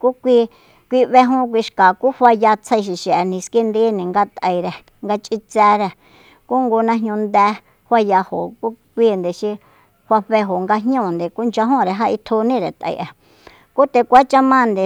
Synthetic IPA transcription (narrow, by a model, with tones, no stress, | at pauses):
ku˦kʷi˧ | kʷi˧βe˧ɦũ˦k̬ʷi˧ʃka˨ku˦hʷa˧ja˧t͡sʰə˧ʃ̬i˨ʃe˨ʔe˨nĩ˧ski˦nd̪i˦nĩ˨ŋɡa˧t̪ə˧i˧ɾe˧ | ŋɡa˧t͡ʃʼi˧t͡sɛː˧ɾe˧ | ku˦ŋɡo˧nã˧ɦɲũ˧nd̪ɛː˧˦ | hwa˧ja˧ho˨ku˦kʷiː˦nd̪e˨ʃi˧ | hʷa˧ɸe˧ɦo˨ŋɡa˧ɲɲũ˦˨nd̪e˨ku˦nd͡ʒa˧ɦũ˦˨ɾe˨ɦa˦ʔi˧t̪ʰu˧nĩ˦˨ɾe˨t̪ʔa̰˧˨ʔa˨ | ku˦t̪e˧kʷa˦t͡ʃa˦mã˦nd̪e˨